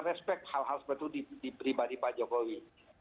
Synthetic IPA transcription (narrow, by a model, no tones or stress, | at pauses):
rɛspɛk̚t̪̚halɦalspɛt̪ːudidipɾibadipad͡ʒokowi